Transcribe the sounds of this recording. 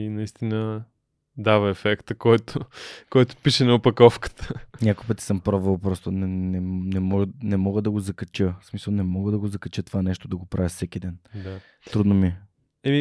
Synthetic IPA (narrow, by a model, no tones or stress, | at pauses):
inɐist̪inə | d̪avɐɛfɛkt̪əkɔjt̪okɔjt̪ʊ̥piʃɛnɐopɐkɔfkə̥t̪ə̥ɲʲakoipət̪i̥səmpɾɔvəlˠpɾɔst̪onɛnɛnɛmɔɡnɛmɔɡəd̪ɐɡozɐkɐt͡ʃəsmisəlˠnɛmɔɡəd̪ɐɡozɐkɐt͡ʃət̪ovanɛʃt̪od̪ɐɡopɾʔavʲjəfsɛkid̪ɛnd̪a | t̪ɾud̪nomi | ɛmi